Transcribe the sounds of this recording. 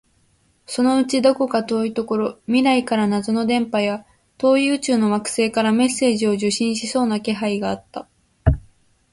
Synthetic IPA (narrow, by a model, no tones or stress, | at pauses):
so̞no̞ɯ̟t͡ɕid̪o̞ko̞kat̪o̞ːit̪o̞ko̞ɾo̞mʲiɾaikaɾanazono̞d̪ẽ̞mpaja | t̪o̞ːjɯ̟ːt͡ɕɨːno̞βakɯ̟̥se̞ːkaɾame̞sːe̞ːʑio̞ʑɨɕĩɰ̃ɕiso̞ːnake̞ɦaiɡaːt̪ːa